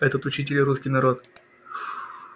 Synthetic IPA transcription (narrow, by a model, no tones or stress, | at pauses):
ɛt̪ət̪ʊt͡ɕitʲɪlʲɾuskʲɪjnɐɾo̞t̪